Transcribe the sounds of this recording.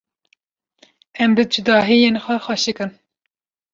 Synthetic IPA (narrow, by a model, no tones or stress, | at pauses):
ɛmbɨd͡ʒud̪ɑːɦijenxʷɛxʷɑʃɨkɨn